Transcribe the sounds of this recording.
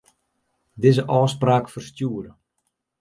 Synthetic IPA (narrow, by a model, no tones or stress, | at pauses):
dɪzəʔɔːspraːkfərstjuədə